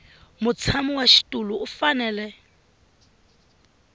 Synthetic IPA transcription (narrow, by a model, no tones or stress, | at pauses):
mʊt͡sʰamuwaʃi̥tʼuluːfanɛːlɛ